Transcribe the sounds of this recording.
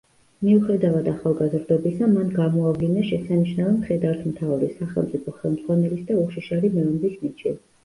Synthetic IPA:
miuχɛd̪avad̪aχalˠɡazɾd̪ɔbisamanɡamɔavlinaʃɛsaniʃnavɛmχɛd̪aɾt̪ʰmt̪ʰavɾisaχɛlˠmt̪sʼipʰɔχɛlˠmd̪zʁwanɛlisd̪auχʃiʃaɾimɛunb̪isnit͡ʃʰi

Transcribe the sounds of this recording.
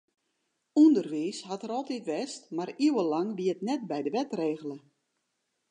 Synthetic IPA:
undərʋiːshatəɾɔlˠtitʋɛstmariwəlɑŋʋiətnɛt̚bɛjdəʋɛtreːɣələ

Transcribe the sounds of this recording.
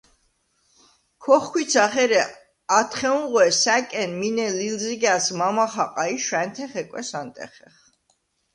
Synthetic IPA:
kʰɔχkʰwit̪sʰaχɛɾɛ | at̪ʰχɛũʁwɛsækʼɛnminɛlilziɡasmamaχaqʼaiʃwɛnt̪ʰɛχɛkʼwɛsant̪ʼɛ̰χɛχ

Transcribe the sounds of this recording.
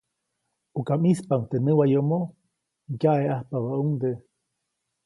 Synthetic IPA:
ukamispaŋt̪enɨwajomo | jaʔeʔahpaβaʔuŋd̪e

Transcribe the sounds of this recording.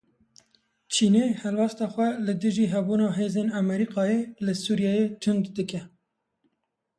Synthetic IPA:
t͡ʃʰiːneːhɛlwɛst̪ɑːxʷɛlɨd̪ɨʒiːɦɛbuːnɑːɦeːzeːnɛmɛɾiːqɑːjeːlɨsuːɾjɛːjeːt̪ʰʊnd̪d̪ɨkɛ

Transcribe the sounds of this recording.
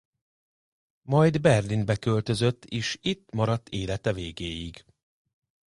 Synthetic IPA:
mɒjd̪bɛrlinbɛkø̞lt̪ø̞zøt̪ːeːʃit̪ːmɒɾɒt̪ːeːlɛt̪ɛveːɡeːjiɡ

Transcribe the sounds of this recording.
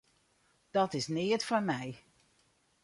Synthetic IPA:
d̥ɔtɪsnɪːətfɔnmɛj

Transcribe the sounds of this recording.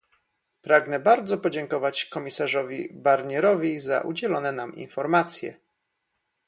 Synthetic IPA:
pɾaɡnɛbaɾd̪zɔpɔd͡ʑɛŋkɔvat͡ɕkɔmʲisaʐɔvʲibaɾɲɛɾɔvʲiza̰ʔṵd͡ʑɛlɔnɛnamḭnfɔɾmat̪sʲjɛ̰

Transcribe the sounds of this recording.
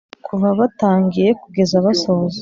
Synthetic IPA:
kʰuβaβataːŋɡije̞kuɡe̞zaβasoz

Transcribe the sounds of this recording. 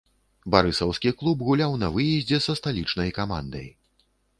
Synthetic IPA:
baɾɨsɐwskʲiklˠubɣulʲawnɐvɨjɛzʲd͡zʲɛsɐst̪alʲit͡ʂnɐjkama̰nd̪ɐ̰j

